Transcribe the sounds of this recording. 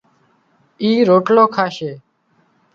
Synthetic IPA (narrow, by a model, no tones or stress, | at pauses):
iːɾoːʈloːkʰaːʃeː